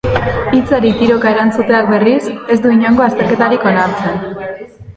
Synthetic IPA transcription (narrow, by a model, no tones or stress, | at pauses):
it͡saɾit̪iɾo̞kae̞ɾant͡sut̪e̞ak̚be̞rise̞zd̪uiɲoŋɡo̞ast̪e̞ɾke̞t̪aɾiko̞naɾt͡se̞n